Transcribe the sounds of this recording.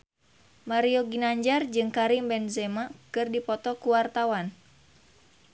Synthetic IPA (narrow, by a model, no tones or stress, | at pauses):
maɾioɡinaɲd͡ʒard͡ʒɨŋkaɾimbɛnzɛmakɨrdipɔt̪ɔkuwart̪awan